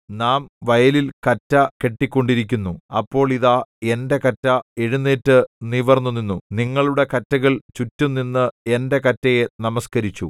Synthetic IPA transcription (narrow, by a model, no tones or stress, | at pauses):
naːmʋɐjɐlilkɐtːɐke̞ʈːikʲːo̞ɳɖiɾik̬ʲːunːuɐpːo̞ːɭiðaːe̞nde̞kɐtːɐeɻunːeːtːɨniʋɐrnːuninːuniŋːɐɭuɽe̞kɐtːɐɣɐɭt͡ɕutːumnːinːɨe̞nde̞kɐtːɐje̞nɐmɐskɐɾit͡ɕːu